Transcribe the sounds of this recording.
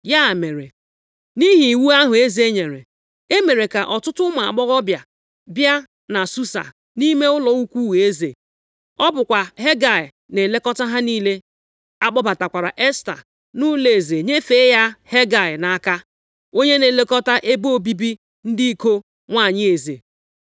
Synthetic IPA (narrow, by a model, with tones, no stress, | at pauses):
ja˦˨me˨ɾe˨ | ni˦ɦi˨wu˦a˦ɦʊ˨e˦ze˦ɲe˨ɾḛ˨ | e˦me˨ɾe˨ka˨ʔɔ˨tʊ˦tʊ˦ma˨a̰˨k͡pɔ˦ɣɔ˦bja˨ | bja˦ | na˨su˦sa̰˨ | ni˦me˦ʊ˦lɔ˨u˦kʷu˦we˦ze˨ | ɔ˦bʊ˨kʷa˨ɦe˦ɡa˨ɪ˨ | ne˨le˦kɔ˦ta˦ɦa˦niː˦le˦ | a˦k͡pɔ˦ba˨ta˨kʷa˨ɾa̰˨ʔe˦sta̰˨ | nʊ˦le˨ze˨ɲe˦fe˨˦ja˦he˦ɡa˨ɪ˨na˨˦ka˦ | o˦ɲe˦ne˨le˦kɔ˦ta˦ʔe˦bo˦bi˦bi˦ | n̩˦di˦i˦ko˦ | ŋʷa˦˨ɲɪ˦e˨zḛ˨